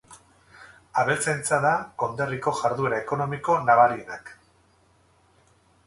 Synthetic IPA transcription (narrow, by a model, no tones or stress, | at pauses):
aβe̞lt͡sajnt͡saðako̞nd̪e̞riko̞ʝaɾðue̞ɾaeko̞no̞miko̞naβ̞aɾienak